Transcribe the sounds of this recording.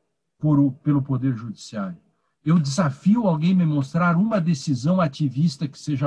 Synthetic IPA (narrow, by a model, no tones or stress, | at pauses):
poɾʊpelʊpod̪eɾʒud͡ʒisiaɾjʊ | ewd͡ʒ̪ɪzafiʊawɡẽj̃mɪmõst̪ɾaɾũmɐd̪esizɐ̃w̃at͡ʃivist̪ɐkɪ̥seʒɐ